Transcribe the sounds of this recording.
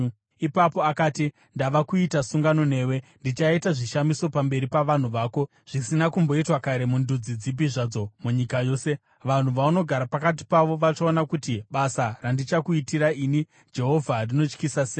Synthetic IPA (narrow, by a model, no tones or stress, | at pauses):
ipapo̞akaːti | ndaʋakuitasuŋɡano̞n̤e̞ːwe̞ndit͡ʃaitaʐiʃamiso̞pambe̞ɾipaʋan̤uʋaːko̞ | ʐ̥isinakumbo̞itwakaɾe̞mundud͡zid͡zip̬iʐad͡zo̞muɲikajo̞ːse̞ | ʋan̤uʋauno̞ɡʱaɾapakat̬i̥paʋo̞ʋat͡ʃaonakutiɓasarandit͡ʃakuitiɾaiːni | d͡ʒe̞ɦo̞vʱarino̞t͡ʃkisaseː